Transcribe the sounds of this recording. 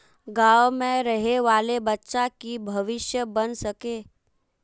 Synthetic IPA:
ɡaːwmẽɾɐɦeʋaːlebɐtːʃakibʱɐʋɪʃjəbɐnsɐkeː

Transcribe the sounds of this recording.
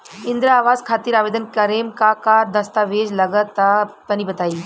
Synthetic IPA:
ɪnd̪ɾaaːʋaːzkʰaːt̪iːɾaːʋeːd̪ənkɐɾeːmkakaːɾd̪ɐst̪aʋeːd͡ʒlɐɡət̪ːap̪ɐnibɐt̪aːiː

